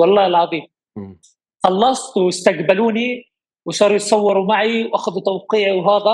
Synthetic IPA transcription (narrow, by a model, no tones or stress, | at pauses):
wɑlˤːɑːhɪlʕɑðˤiːm | xɑlːɑsˤt̪wɪst̪aɡbaluːni | wʃɑːɾˤjɪt̪sˤɑwːɑɾumaʕiwʔaxaðut̪awqiːʕiwɦaːða